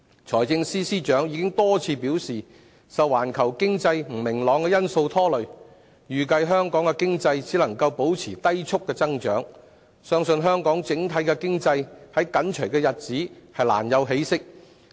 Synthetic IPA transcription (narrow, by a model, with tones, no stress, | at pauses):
t͡ʃʰɔː˨˩jt͡sɪ˧ŋsiː˥siː˥t͡ʃœː˨˥ŋjiː˧kɪ˥ŋt̪ɔː˥t͡sʰiː˧piː˨˥wsiː˨˩ | sɐ˨wːaː˨˩nkʰɐ˨˩wkɪ˥ŋt͡sɐ˧jm̩˨˩mɪ˨˩ŋlɔː˨˧ŋkɛ˧jɐ˥nso˧wt̪ʰɔː˥lɵ˨ɥ | jyː˨˩kɐ˧jɦœː˥ŋkɔː˨˥ŋkɛ˧kɪ˥ŋt͡sɐ˧jt͡siː˨˥lɐ˨˩ŋkɐ˧wpo˨˥wt͡sʰiː˨˩t̪ɐ˥jt͡sʰʊ˥kːɛː˧t͡sɐ˥ŋt͡ʃœː˨˥ŋ | sœː˥ŋsɵ˧nɦœː˥ŋkɔː˨˥ŋt͡sɪ˨˥ŋt̪ʰɐ˨˥jkɛ˧kɪ˥ŋt͡sɐ˧jhɐ˨˥jkɐ˨˥nt͡ʃʰœ˨˩kɛː˧jɐ˨t̚t͡siː˨˥hɐ˨˩jla̰ː˨˩njɐ˨˧wɦe˨˥jsɪ˥k̚